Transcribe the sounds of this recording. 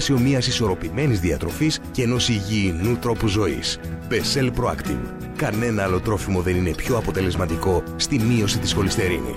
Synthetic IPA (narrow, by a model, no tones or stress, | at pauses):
sio̞miɐsiso̞ɾo̞pime̞nizðiɐt̪ɾo̞fisceeno̞siʝiːnut̪ɾo̞puzo̞ḭsbe̞se̞lpɾoɐ̰kt̪ḭŋ | kɐne̞nɐɐlo̞t̪ɾo̞fimo̞ðe̞nine̞pço̞ɐpo̞t̪e̞le̞zmɐt̪iko̞st̪imio̞sit̪isxko̞list̪e̞ɾḭnḭs